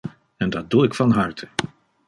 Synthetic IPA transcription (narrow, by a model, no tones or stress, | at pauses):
ɛndɑt̚duɪkfɑnɦɑɹtʰə̥